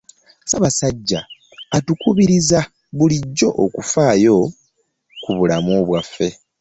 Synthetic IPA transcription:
saβasaɟːaː | tukuβiɾiza | βuliɟːo̞ʔokufaːjo̞ | kuβulamoβwafːe̞

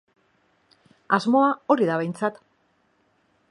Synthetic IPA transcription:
azmo̞ao̞ɾiðaβ̞ejnt͡sat̪

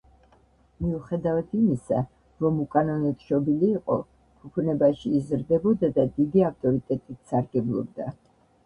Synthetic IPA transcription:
miuχɛd̪avat̪ʰimisa̰ | ɾɔmukʼanɔnɔt̪ʰʃɔbiliːqʼɔ̰ | kʰupʰunɛbaʃizɾd̪ɛbɔd̪ad̪ad̪id̪iaft̪ʼɔɾit̪ʼɛt̪ʼit̪ʰsaɾɡɛblˠɔ̰b̚d̪a

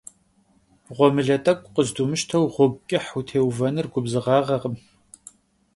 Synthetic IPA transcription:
ʁʷɔmɨɮɐtʼɐkʷʼqəzdumɨʃtʰɐwʁʷʊb̚kʲʼɪħutʰeːwvɐnɨrɡʷʊbzɨʁɑːʁɐʁəm

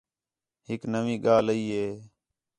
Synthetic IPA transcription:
ɦɪknəʋĩːɠaːləiːɦeː

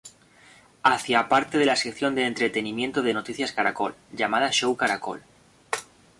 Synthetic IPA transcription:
aθjapaɾt̪e̞ð̞e̞lasekθjo̞nd̪eːnt̪ɾe̞t̪e̞nĩmje̞nt̪o̞ðe̞no̞t̪iθjaskaɾako̞lʝamað̞aʃo̞wkaɾako̞̰l

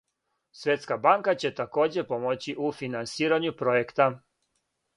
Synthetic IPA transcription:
sʋjet̪skabaŋkat͡ɕe̞t̪ako̞ːd͡ʑe̞po̞mot͡ɕiʔufinansiːɾaɲupɾo̞jekt̪a

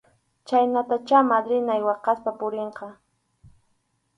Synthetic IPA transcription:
t͡ʃajnat̪at͡ʃamad̪ɾɪnajwɑqɑspapʊɾeɴqɑ

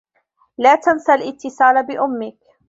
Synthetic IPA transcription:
laːt̪ansalʔɪt̪ʰːɪsaːlabɪʔʊmːɪk

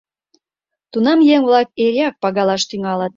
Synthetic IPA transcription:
t̪unɑmjeŋβlɑk̚eɾiɑk̚pɑɣɑlɑʃt̪yŋɑlət̪̚

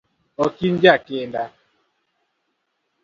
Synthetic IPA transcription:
ɔkind͡ʒakɪnda

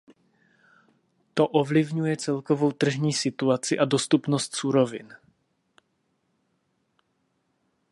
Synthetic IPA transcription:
t̪o̞ʔovlɪvɲujɛt͡sɛlkovo̞wt̪r̩ʒɲiːsɪt̪uat͡sɪʔado̞st̪upnost̪suɾo̞vɪ̰n

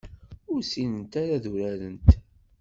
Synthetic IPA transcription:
ʊɾsinənt̪aɾaðuɾæɾənt̪

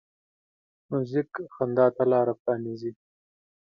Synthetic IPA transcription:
muzikxand̪ɑːt̪alɑːɾapɾɑːnizi

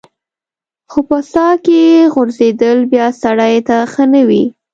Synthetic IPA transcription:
xopəsɑkejeɣʊɾzed̪əlbjɑsaɽajt̪axənəwi

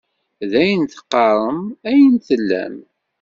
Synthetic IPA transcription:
ðæjənθə̥qːɑɾˤəmæjənθəlːæ̰m

